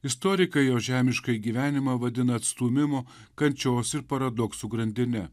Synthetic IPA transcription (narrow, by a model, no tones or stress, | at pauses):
ɪst̪ɔɾʲɪkɐɪjoːʒʲæːmʲɪʃkɐɪɡʲiʋʲæːnʲɪmɐʋɐd̪ʲɪnɐːt̪st̪uːmʲɪmoː | kɐnʲt͡ʃʲoːsɪɾpɐɾɐd̪ɔksuːɡɾɐnʲd̪ʲɪnʲɛ